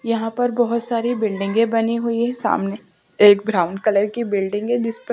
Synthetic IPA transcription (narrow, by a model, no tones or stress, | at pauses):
jɐɦãpɐɾbɔɦʊt̪saːɾibɪlɖɪ̃ŋɡẽbɐniɦuiɦɛsa̰ːmne | eːk̚bɾaːʊ̃ɳɖkɐləɾkibɪlɖɪ̃ŋɡɛ̃d͡ʒɪsp